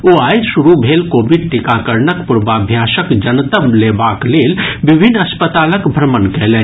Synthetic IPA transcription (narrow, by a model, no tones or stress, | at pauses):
oːaːjsuɾubʱeːlkoːbiɖ̚ʈikakəɾnəkpʊɾbaːbʱjaːsəkd͡ʒənt̪əbleːbaːkleːlbɪbʱinːɐspət̪aːləkbʱɾəmənkɛːlɛn